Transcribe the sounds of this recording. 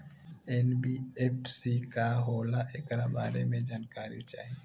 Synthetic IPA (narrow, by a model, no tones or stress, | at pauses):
enbiepsikaɦoːlaʔeːkɾabaːɾemẽd͡ʒaːnkaːɾḭt͡ʃa̰ːɦie